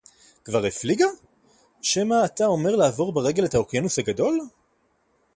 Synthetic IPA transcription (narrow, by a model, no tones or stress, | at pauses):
kvaʁefliɡa | ʃemaːtao̞me̞ʁlaːvo̞ʁbeʁe̞ɡe̞let̪haokjenushaɡado̞l